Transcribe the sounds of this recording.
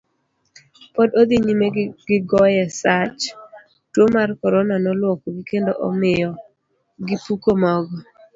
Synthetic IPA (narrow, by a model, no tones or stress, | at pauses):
pɔdod̪iɲimeɡɪɡɔjɛsat͡ʃ | twomarkɔɾɔnanɔlwɔkɔɡikendoʔɔ̰mɪjɔ | ɡipukomɔɡɔ